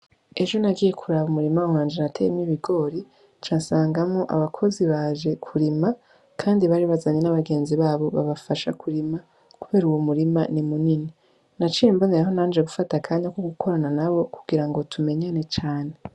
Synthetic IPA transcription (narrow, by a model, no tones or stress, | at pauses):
e̞ʒo̞naɡije̞kʰuɾaβumuɾimauaːnd͡ʒenatʰḛːɾimiβiɡo̞ːɾi | t͡ʃasaːŋɡamŋoʔa̰βakʰo̞ziβaʒe̞kʰuɾima | kʰaːndiβaɾiβazaɲe̞naβaɡe̞ːnziβaːβo̞βa̰βafaʃa̰kuɾima | kuβe̞ːɾuwomuɾimanimunini | nat͡ʃiːmbonajaɦo̞naːnd͡ʒeɡufatakʰaːɲakoɡukʰo̞ɾananaβo̞ku̥ɡ̥iɾaŋɡo̞tʰume̞ɲane̞t͡ʃaːne